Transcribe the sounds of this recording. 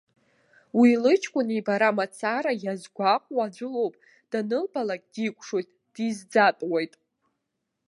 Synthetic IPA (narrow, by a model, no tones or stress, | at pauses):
wilɨt͡ʃʰkʷʼʊnibaɾamat͡sʰaɾajazɡʷaqʷʼwaːd͡zʷʊlo̞wpʼ | d̥anɨlbalakʼdikʷʼʂojtʼ | d̥izd͡zatʼwajtʼ